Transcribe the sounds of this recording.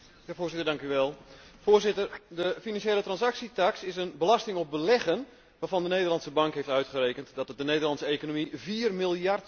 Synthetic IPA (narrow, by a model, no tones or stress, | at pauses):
jaːvoːzɪtərdɑŋkyʋɛlˠ | foːrzɪtərdəfinɑnʃjeːlətrɑnsaksitaksɪsənbəlɑstɪŋɔp̚bəlɛɣən | ʋaːrvɑndənejdərlɑntsəbɑŋkɦejftœɥtχəreːkəntdɔtdəneːdərlɑntsəeːkonomiviːrmɪlˠjart